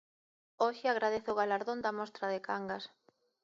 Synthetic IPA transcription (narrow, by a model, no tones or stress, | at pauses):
oʃɪaɣ̞ɾaðeθʊːɣalaɾðond̪amɔst̪ɾaðɪkaŋɡas